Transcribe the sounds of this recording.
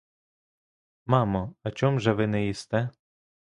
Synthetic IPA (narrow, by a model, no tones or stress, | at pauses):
mɑmɔɐt͡ʃɔmʒɛʋɪnɛjist̪ɛ